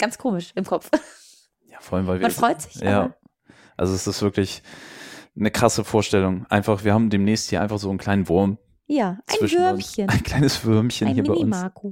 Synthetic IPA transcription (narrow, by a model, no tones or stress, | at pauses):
ɡ̥ant͡skʰoːmɪʃʔɪmkʰɔpp͡f | jaːfɔalmvaɪlvimannfʁɔʏtz̥ɪçʔj̰aː | ʔa̰lzoɛsɪstv̥ɪɐklɪç | nəkʁ̥asəfoːɐʃtɛlʊŋʔa̰ɪnfaχv̥iːɐhaːbm̩deːmnɛːçst̚hiːɐaɪnfaχz̥oːnkʰl̥aɪnənvʊɐm | jaːʔʔaɪvɪʃvʏɐmçənaɪnkʰl̥aɪnəsv̥ʏɐmçənhiːɐbaɪʊnmaɐkʰo